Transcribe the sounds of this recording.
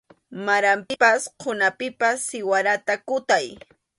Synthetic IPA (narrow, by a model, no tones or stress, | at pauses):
maɾampɪpasqʰʊnapɪpasːɪwaɾat̪akʊt̪aj